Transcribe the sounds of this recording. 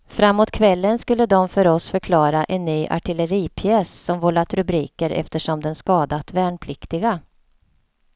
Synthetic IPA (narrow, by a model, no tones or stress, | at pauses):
fɾamːoːt̪kʰvɛlːənskɵlːəd̪ɔmfœɾɔsfœɾkʰlɑːɾaʔɛnːyːʔa̰ʈʰɪləɾiːpʰjɛːssɔmvɔlat̪ɾɵbɾiːkəɾʔɛ̰ft̪əʂɔmd̪ɛnskɑːd̪at̪vɛːɳpʰlɪkt̪ɪɡa